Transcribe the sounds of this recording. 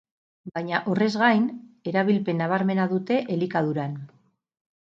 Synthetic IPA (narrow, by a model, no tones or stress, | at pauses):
bajɲaʔore̞zɣajne̞ɾaβ̞ilpe̞nːaβ̞aɾme̞naðut̪e̞ʔelikað̞uɾan